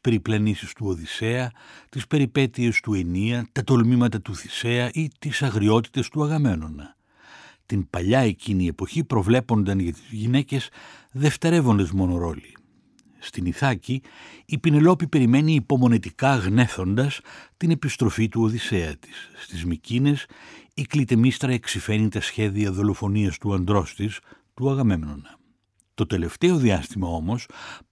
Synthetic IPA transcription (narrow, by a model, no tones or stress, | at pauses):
pe̞ɾiplɐnisist̪uo̞ðise̞ɐt̪ispe̞ɾipe̞t̪ie̞st̪ue̞niɐt̪ɐt̪o̞lmimɐt̪ɐt̪uθi̥se̞ɐʔit̪isɐɣɾio̞t̪i̥t̪e̞st̪uɐɣɐme̞no̞nɐ | t̪impɐʎɐe̞cinie̞po̞çipɾo̞vle̞po̞nd̪ɐnʝɐt̪izʝine̞ce̞sðe̞ft̪eɾe̞vo̞nd̪e̞zmo̞no̞ɾo̞li | st̪iniθɐciːpine̞lo̞pipe̞ɾime̞niːpo̞mo̞nit̪ikɐɣne̞θo̞nd̪ɐst̪ine̞pist̪ɾo̞fit̪uo̞ðise̞ɐt̪i̥sːt̪izmicine̞siklit̪e̞mist̪ɾɐeksife̞nit̪ɐsçe̞ðiɐðo̞lo̞fo̞niɐst̪uɐnd̪ɾo̞st̪ist̪uɐɣɐme̞mno̞nɐ | t̪o̞t̪e̞le̞ft̪e̞o̞ðiɐst̪imɐo̞mo̞s